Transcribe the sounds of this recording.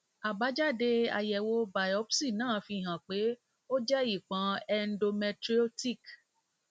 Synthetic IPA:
a˨ba˨˦d͡ʒa˦˨de˧a̰˨jɛ˨wo˧ba˨jɔ˨˦psi˦˨nãː˦˨fĩ˧˨ɦã˨k͡pe˨˦ | o˦d͡ʒɛ˦i˦˨k͡pã˨˦ɛ˧n̩˦do˧mɛ˧tɾi˦o˦ti˦˨k

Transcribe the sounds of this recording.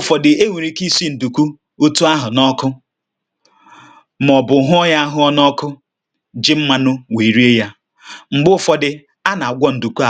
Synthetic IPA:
fɔ˨dɪ˨e˦wi˨ɾi˦ki˦si˦n̩˨du˨ku˦ | o˦tu˦a˦ɦʊ˨nɔ˦kʊ˦ | m˨ɔ˨bʊ˨˦ɦʊ˦ɔ˦ja˦a˦ɦʊ˦ɔ˦nɔ˦kʊ˦ | d͡ʒɪ˦m̩˦ma˦nʊ˦we˨ɾi˦e˦ja˦ | ŋ͡m̩˨ɡ͡bʊ˦˨fɔ˨dɪ˨ | a˦na˨a˨ɡʷɔ˦n̩˨du˨ku˦a˨

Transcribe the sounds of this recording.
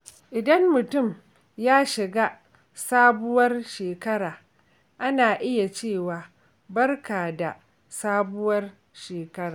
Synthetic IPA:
ʔɪ˨dɐ˦mːʊ˨tʊ˦˨m | jaː˦ʃɪ˨ɡaː˦ | saː˦bʊ˦wɐ˦rʃeː˨kɐ˦ɽaː˨ | ʔa˦naː˨ʔɪ˦ja˨t͡ʃeː˦˨waː˨ | bɐ˦rkaː˨da˨ | saː˦bʊ˦wɐ˦r | ʃeː˨kɐ˦ɾaː˨

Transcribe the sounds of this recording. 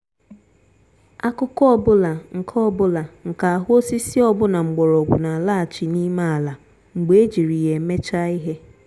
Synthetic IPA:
a˦kʊ˦kɔ˦ɔ˦˨bʊ˦la˨ŋ̩˨kʰɔ˦˨bʊ˦la˨ŋ̩˨ka˨a˨ɦʊ˦o˦si˦si˦ɔ˦bʊ˦na˨ŋ͡m̩˨ɡ͡bɔ˨ɾɔ˨ɡʷʊ˨na˨la˦a˨t͡ʃi˨ni˦ma˦a˨la˨ | ŋ͡m̩˨ɡ͡be˨e˦d͡ʒi˨ɾi˨je˨me˦t͡ʃa˦i˦ɦe˦

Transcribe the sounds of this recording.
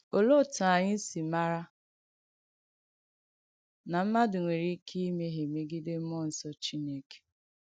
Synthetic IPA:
o˨lo˦˨ta˨a˨ɲɪ˦n̩˦si˨ma˦ɾa˦ | na˨m̩˦ma˦dʊ˨ŋʷe˨ɾi˦kʰi˦i˦me˦ɦe˨me˦ɡi˦de˦m̩˦mɔ˦˨n̩˦sɔ˦t͡ʃi˦ne˦ke̥˨

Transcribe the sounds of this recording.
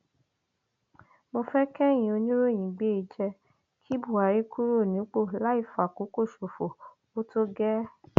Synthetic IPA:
mo˧fɛ˦kɛ˦j̃ĩ˨o˧nĩ˦ɾo˦˨j̃ĩ˨ɡ͡be˦i˧d͡ʒɛ˧ | kʰi˦bu˦˨a˨ɾi˦ku˦ɾo˦˨nĩ˨˦k͡po˦˨la˨˦i˦˨fa˨ko˨˦ko˦˨ʃo˨fo˨ | o˦to˦ɡɛ˦

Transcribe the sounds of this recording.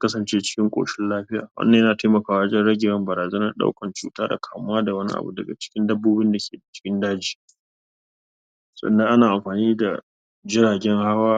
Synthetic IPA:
kɐ˦sɐ˨nt͡ʃeː˦t͡ʃɪ̥˦kʲɪ˦ŋkʷʼo̰ː˨ʃɪ˦nlaː˦ɸɪ˦ja̰ː˨wɐ̰˦ndɐ˨jnaː˨ta˦mɐ˨kaː˦˨waː˦d͡ʒɛ˦nɽɐ˦ɡʲɪ˨ɐ˦mbɐ˨ɾaː˨zɐ˦nɐ˦rɗa̰˦wkɐ˨nt͡ʃuː˨taː˦da̰˨kʰaː˨mʊ˦waː˦da˨wɐ˦nḭ˦ʔa̰˨bṵ˨dɐ˨ɡa̰˨t͡ʃɪ̥˦kʲɪ˦ndɐ˦bːoː˦bɪ˦nda˨kʲʰeː˨da˨t͡ʃɪ̥˦kʲɪ˦ndaː˦d͡ʒiː˨ | sʼɐ̰˨nːɐ˦ŋʔa˦naː˨ʔa˨mɸaː˨niː˦da˨ | d͡ʒɪ˦ɾaː˨ɡʲɛ˦ŋha˦waː˦

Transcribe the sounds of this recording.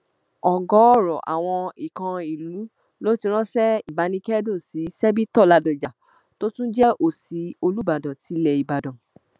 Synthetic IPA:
ɔ˨ɡɔ˨˦ɔ˦˨ɾɔ˨ʔa̰˨w̃ɔ̃˧i˨kã˧i˨lu˨˦ | lo˦ti˧ɾ̃ɔ̃˦sɛ˦i˦˨ba˨˦nĩ˧˦kɛ˦dõ˦˨si˨˦sɛ˦bi˦tɔ˦˨la˧dɔ̃˨d͡ʒa˨ | to˦tũ˦d͡ʒɛ˦ʔo˨si˨˦o˧lu˦ba˨dɔ̃˨ti˨˦lɛ˧˨i˨ba˨dɔ̃˨

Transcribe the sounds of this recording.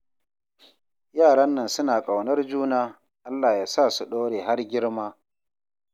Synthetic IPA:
jaː˦˨ɽɐ˦nːɐ˨nsʊ˦naː˨kʼa˨wnɐ˦rd͡ʒuː˦naː˦ | ʔa˦lːaː˨jaː˦saː˦˨su˨ɗoː˦ɽeː˨ɦa˦rɡʲɪ˦ɽmaː˦

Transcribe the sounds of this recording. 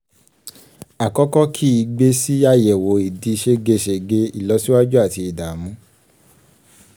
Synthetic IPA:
a˨kɔ˨˦kɔ˦kʰi˦i˧ɡ͡be˦si˦a˦jɛ˨wo˨˦i˨di˨˧ʃe˧ɡe˧ʃe˧ɡe˧i˦˨lɔ˨˧˦si˦wa˦d͡ʒu˦a˦˨ti˧i˨da˨mũ˨˦

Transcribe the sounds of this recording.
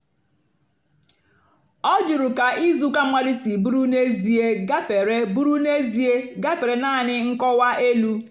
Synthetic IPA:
ɔ˦d͡ʒu˨ɾu˨ka˨ʔi˦zu˦ka˦mʷa˦dɪ˦si˨bu˦ɾu˦ne˦zi˨e˦ɡa˦fe˨ɾe˦bu˦ɾu˦ne˦zi˨˦e˦ɡa˦fe˨ɾe˨naː˦˨nɪ˦ŋ̩˦kɔ˦wa˦ʔe˦lu˦

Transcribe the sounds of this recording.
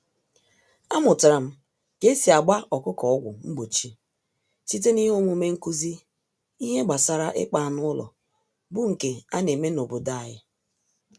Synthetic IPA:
a˦mʊ˨tɾa˨m̩˦ | ke˦si˨a˨ɡ͡ba˦ɔ˨kʊ˦kɔ˨ɔ˦ɡʷʊ˨ŋ͡m̩˦ɡ͡bo˨t͡ʃi˦ | si˦t̬e˦ni˦ɦo˦mu˦me˦ŋ̩˦ku˦zi˦ | i˦ɦe˦ɡ͡ba˨sa˦ɾa˦ʔɪ̰˦k͡pa˦˨nʊ˦ʊ˦lɔ̰˨ | bʊ˦ŋ̩˨ke˨a˦ne˨me˦no˨bo˨da˦˨jɪ˦

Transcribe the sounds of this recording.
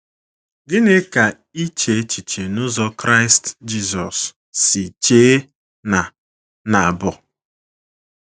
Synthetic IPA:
ɡɪ˦ne˦ka˨ | i˦t͡ʃe˨˦t͡ʃi˨t͡ʃe˨nʊ˦zɔ˦kɾa˦ɪ˦std͡ʒi˦zɔ˨s | si˨t͡ʃe˦ | na˨ | na˨bʊ˨

